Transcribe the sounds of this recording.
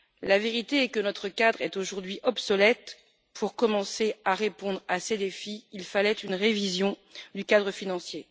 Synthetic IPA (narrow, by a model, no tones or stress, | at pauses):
laveʁit̪eɛkənɔt̪χəkad̪ʁɛt̪oʒuʁd̪ɥiʔɔbsɔlɛt̪ | pʰuʁkɔmɑ̃seaʁepɔ̃d̪ʁased̪efiːlfalɛt̪ynʁevizjɔ̃d̪ykad̪ʁəfinɑ̃sje